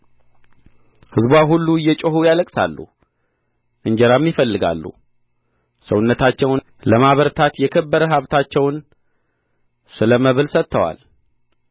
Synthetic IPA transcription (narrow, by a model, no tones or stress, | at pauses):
hɨzbwaɦulːuɨjːɛt͡ʃʼohujaləkʼsa̰lːṵ | ʔɨɲd͡ʒɛɾamːjɪfəlːɨɡa̰lːṵ | səwʊnːət̪ʰat͡ʃːɛw | ləmaβəɾt̪ʰat̪jɛkʰəbːəɾəɦaβt̪ʰat͡ʃːɛwn | sɨləməβɨlsət̪ʰːəwa̰l